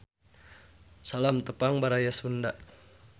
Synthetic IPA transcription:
salamt̪əpaŋbaɾajasundaʔ

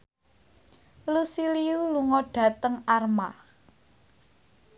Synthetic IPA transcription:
lusiliuluŋɔɖ̥a̤t̪əŋarma̰

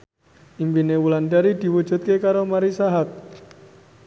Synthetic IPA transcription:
ʔimpinewulanɖaɾid̪̥i̤wud͡ʒʒ̥ṳt̪̚kekaɾomaɾisaɦak̪̚

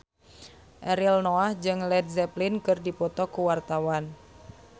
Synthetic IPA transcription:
ʔɛɾilnoahd͡ʒɨŋlɛd̚zɛplinkɨrdipɔt̪ɔkuwart̪awan

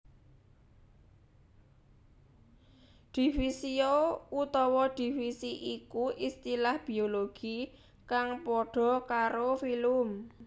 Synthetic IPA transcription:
d̪̥i̤fisiout̪ɔwɔd̪̥i̤fisiʔikuʔist̪ilahb̥i̤oloɡ̥i | kaŋpɔɖ̥ɔ̤kaɾofilʊm

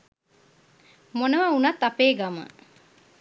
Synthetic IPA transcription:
monɐʋɐunɐt̪ːɐpeːɡɐmə̰

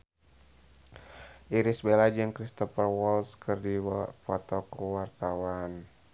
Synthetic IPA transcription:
ʔiɾisbelad͡ʒɨŋkɾist̪ɔfərwɔlskɨrdipɔt̪ɔkuwart̪awan

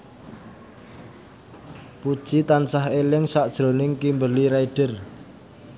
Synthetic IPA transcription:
pud̥ʒ̥it̪ansaɦelɪŋsaʔd̥ʒ̥ɾo̤nɪŋkimbəliɾaiɖ̥ə̤r

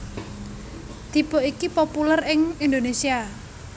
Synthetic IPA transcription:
d̪̥i̤b̥o̤ikipopulərɪŋind̪onesia

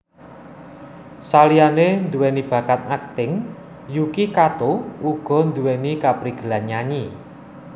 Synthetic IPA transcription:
salijanend̪uwɛnib̥ä̤kat̪̚nak̚t̪ɪŋ | jukikat̪ouɡ̥ɔ̤nd̪uwɛnikapɾiɡ̥ə̤lanaɲi

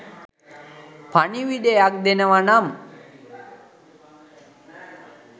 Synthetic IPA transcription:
pʰaniʋideak̚d̪enəʋanam

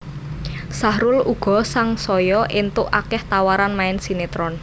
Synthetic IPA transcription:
sahɾʊluɡ̥ɔ̤saŋsɔjɔʔent̪ʊʔakɛht̪awaɾanmaɪnsinet̪ɾɔn

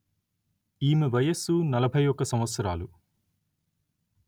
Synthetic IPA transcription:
iːmiʋɐjɐsunɐlɐbʱɐjɔkːɐsɐmʋɐt̪sɐɾaːlu

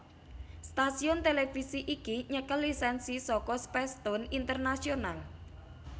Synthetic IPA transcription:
st̪asiɔnt̪elefisiʔikiɲəkəlːisɛnsisɔkɔspɛst̪ɔnint̪ərnasional

